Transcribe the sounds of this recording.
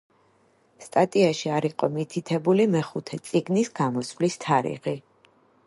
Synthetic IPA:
st̪ʼat̪ʼiaʃiaɾiqʼɔmit̪ʰit̪ʰɛbulimɛχut̪ʰɛt̪sʼiɡnisɡamɔsvlist̪ʰaɾḭʁi

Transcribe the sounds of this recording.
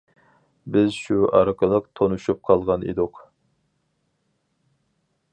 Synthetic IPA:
bɪzʃuɑɾəqəlˠəqt̪ʰonuʃup̚qʰɑlˠʁɑnḛd̪uq

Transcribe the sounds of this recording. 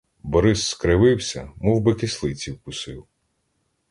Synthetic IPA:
bɔɾɪsːkɾɪʋɪwsʲɐmuwbɪkislˠɪt͡sʲiwpʊsɪw

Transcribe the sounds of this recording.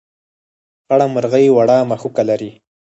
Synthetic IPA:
xaɽaməɾɣajwaɽɑmaxukalaɾi

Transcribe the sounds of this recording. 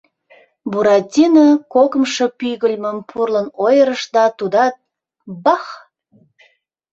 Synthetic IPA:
buɾɑt̪ʲinəkokə̆mʃɤ̽pyɣəlʲməmpʰurlənojəɾəʃd̪ɑt̪ud̪ɑt̪̚ | bɑx

